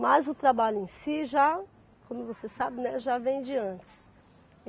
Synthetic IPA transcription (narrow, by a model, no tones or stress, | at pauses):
majzʊt̪ɾabaʎʊẽj̃siʒa | kõmʊvosesabɪnɛ̃ʒavẽj̃d͡ʒɪɐ̃t͡ʃɪ̥s